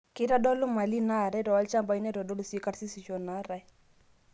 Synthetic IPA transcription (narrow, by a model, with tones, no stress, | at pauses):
kɪ˦ɾa˦dɔ˦lʊ˦ma˨li˦na˦˨ɾɛ˦dɔ˨a˦lt͡ʃa˦mba˨i˦nɛ˦ɾɔ˨dɔ˦lu˦˨si˦ka˦ɾsi˦si˨ʃɔ˨na˦ɾɛ˨